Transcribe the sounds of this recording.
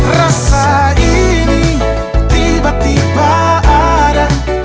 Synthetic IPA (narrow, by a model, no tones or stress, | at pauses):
rasaini | t̪ibat̪ibaaɾa